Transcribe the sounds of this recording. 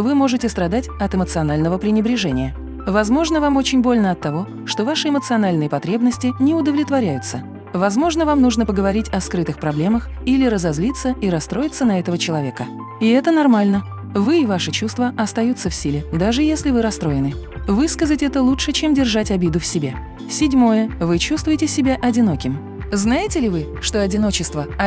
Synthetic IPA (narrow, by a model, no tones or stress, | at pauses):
vɨmo̞ʐɨtʲɪst̪ɾɐd̪atʲɐt̪ɨmət̪sɨɐnalʲnəvəpɾʲɪnʲɪbɾʲɪʐɛnʲɪjə | vɐzmo̞ʐnəvamo̞t͡ɕɪnʲbo̞lʲnəɐt̪ːɐvo̞ | ʂt̪o̞vaʂɨɪmət̪sɨɐnalʲnɨjəpɐt̪ɾʲe̞bnəsʲtʲɪnʲɪʊd̪əvlʲɪt̪vɐɾʲæjʊt̪sə | vɐzmo̞ʐnəvamnuʐnəpəɡəvɐɾʲitʲɐskɾɨt̪ɨxpɾɐblʲe̞məx | ilʲɪɾəzɐzlʲit̪sːəiɾɐst̪ɾo̞jɪt̪sənɐɛt̪əvət͡ɕɪlˠɐvʲe̞kə | ɪɛt̪ənɐrmalʲnə | vɨɪvaʂɨt͡ɕust̪vəʔɐst̪ɐjut̪sːəfsʲilʲɪd̪aʐɨjesʲlʲɪvɨɾɐst̪ɾo̞jɪnɨvɨskəzətʲɛt̪əlˠutʂɨt͡ɕemdʲɪrʐatʲɐbʲid̪ʊfsʲɪbʲe | sʲɪdʲmo̞jəvɨt͡ɕust̪vʊjɪtʲɪsʲɪbʲaʔɐdʲɪno̞kʲɪm | znajɪtʲɪlʲɪvɨ | ʂt̪o̞ɐdʲɪno̞t͡ɕɪst̪və